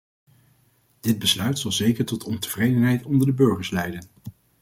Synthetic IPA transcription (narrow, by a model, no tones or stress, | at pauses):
d̥ɪd̚bəslœɥtsɑlˠzejkəɹtɔtʰɔntəv̥rejdənɦɛjtɔndəɹdəbɵɹχəɹslɛjdən